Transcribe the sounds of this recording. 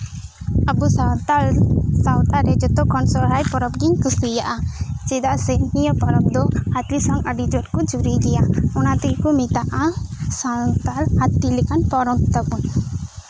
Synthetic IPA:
abusawt̪asawt̪aɾɛd͡ʒɔt̪ɔkɔnsɔɾɦajpɔɾɔp̚ɡiɲkɯsijaʔat͡ʃɛd̪aʔsɛnnijɔpɔɾɔp̚d̪ɔhat̪lisɔŋaɖid͡ʒɔʈkɔd͡ʒuɾiɡɛjaɔnat̪ɛkkɔmit̪aʔasat̪alhat̪ːilɛkanpɔɾɔt̪t̪ɔkun

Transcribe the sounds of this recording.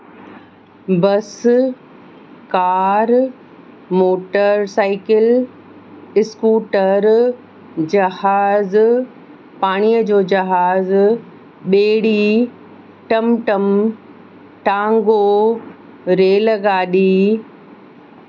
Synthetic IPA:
bɐs | kaːɾ | moːʈəɾsaːɪkɪl | ɪskuːʈəɾ | d͡ʑɐhaːz | paːɽ̃ijəd͡ʑoːd͡ʑɐɦaːz | ɓeːɽi | ʈɐmʈɐm | ʈãːŋɡo | ɾeːlɡaːɗiː

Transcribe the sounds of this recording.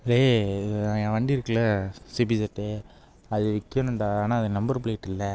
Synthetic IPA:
ɾeː | ãʋɐɳɖiɪɾɯkːɐɭɐsibisɐʈːɯ | ɐðɯʋɪkːjɐnʊɳɖaaːnaːɐðɯnɐmbɐɾpɪɭeːʈːɪlːɐ

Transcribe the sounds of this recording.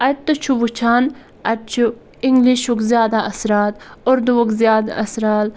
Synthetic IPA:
ɐt̪ːɨt͡ʃʰuʋut͡ʃʰaːn | ɐt͡ʃʰu | iŋɡliʃukzjaːd̪aʔɐsɾaːt̪oɾd̪uokzjaːd̪aɐsɾaːl

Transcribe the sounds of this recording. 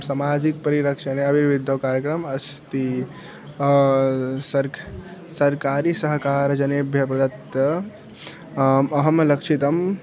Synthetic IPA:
msamad͡ʒik̚pəɾiɾəkʃəneəbʱiʋid̪ʱjəʋkaɾjəkɾəmɐs | t̪i | səɾ | səɾkaɾisəɦkaɾd͡ʒɐnebʱjəpɾɐd̪ət̪jə | məɦəmləkt͡ʃʰit̪əm

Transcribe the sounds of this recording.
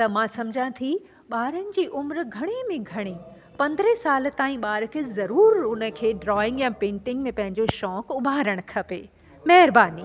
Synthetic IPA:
t̪ɐmãsɐmd͡ʑʱãt̪ʰi | ɓaːɾənɪ̆d͡ʑiːʔʊmɾɡʱɐɽ̃emẽɡʱɐɽ̃e | pɐ̃nd̪ɾesaːl̆t̪aːĩɓaːɾ̆kʰeːzɐɾuːɾʊnə̆kʰeːɖɾɔːɪ̃ŋɡjãːpẽːɳʈɪ̃ŋɡmẽpɐ̃ɦɪ̃ɲd͡ʑoʃɔːkʊbʱaːɾəɽ̃kʰɐpeː | mɐɦɪɾbaːniː

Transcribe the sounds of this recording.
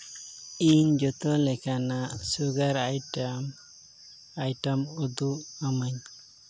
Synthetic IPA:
iɲd͡ʒɔt̪ɔlɛkanaʔsuɡaɾaj | ajʈamud̪uʔamaɲ

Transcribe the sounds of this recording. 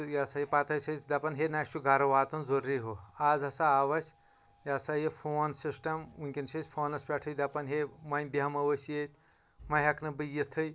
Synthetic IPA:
jɐsajipɐt̪ɐjsɐt͡sʲd̪ɐpɐnɦenaːt͡ʃʰuɡʱɐɾɐʋaːt̪unzoɾːiːɦoaːzɐsaaʋɐsʲ | jasajefʰoːnsisʈɐmuŋʲkʲinsɐsʲpʰoːnɐspʲɐʈʰɐjd̪ɐpɐnɦemɐjnʲbiɐmɐʋɐsjet̪ʲ | mɐjɦɐknɐbɨjit̪ʰɨj

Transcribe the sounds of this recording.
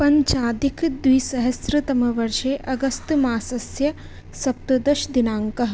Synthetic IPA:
pɐɲt͡ʃaːd̪ikʰd̪wiːsɐɦɐsɾɐt̪ɐmɐʋɐɾʃeːʔɐɡɐst̪maːsɐsjɐ | sɐp̚t̪ɐd̪ɐʃd̪inaːŋkɐɦ

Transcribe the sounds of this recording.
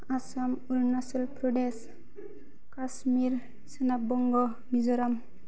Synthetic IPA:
asamuɾnasɔlpɾɔdes | kasmiɾ | senabɔŋɡɔ | mizɔɾam

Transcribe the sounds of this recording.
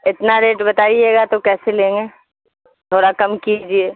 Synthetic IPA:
ɪt̪naɾeːʈbɐt̪aːid͡ʒeːɡat̪okɛːselẽːŋɡeː | t̪ʰoːɽakɐmkied͡ʒieː

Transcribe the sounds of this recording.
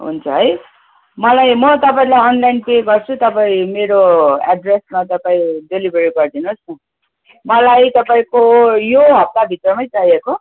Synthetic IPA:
ɦṵnt͡sʰʌɦʌj | mʌlajmʌt̪ʌpaĩlajʌnlainpeɡʌrt͡sʰut̪ʌpaĩmeɾoaɖresmat̪ʌpaĩdelibʱeɾiɡʌrd̪inus | mʌlajt̪ʌpaĩkojoɦʌb̚t̪abʱit̪rʌmʌjt͡saijeko

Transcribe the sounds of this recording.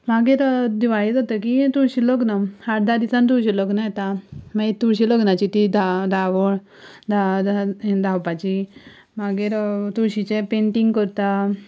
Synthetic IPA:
maɡeɾd̪iʋaɭit̪ɔt̪ək̬it̪uɾɕilɔknahaʈd̪ad̪isãnt̪uɾɕiləknajɛt̪amait̪uɾɕiləknat͡ɕit̪id̪ʱad̪ʱaʋɔɭ | d̪ʱa | d̪ʱawpat͡ɕi | maɡeɾt̪uɾɕit͡ɕepeɳʈiŋɡkəɾt̪a

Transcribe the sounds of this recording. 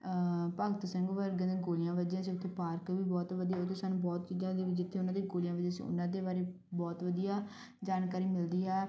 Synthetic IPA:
pəɡət̪səŋɡʋəɾɡd̪ẽːɡoːlɪjãːʋəd͡ʒãːsiːʊt̪ʰːeːpaːɾkʋiːbɔːt̪ʋəd̪iːɛot̪eːsaːnũːbɔːt̪t͡ʃiːzãːd̪eːd͡ʒɪt̪ʰːeːʊnãːd̪eɡoːlijãːʋəd͡ʒãːsḭ̃ːʊ̰nãːd̪eːbaːɾeː | bɔːt̪ʋəd̪ijaː | d͡ʒaːnkaːɾiːmɪld̪iːɦɛː

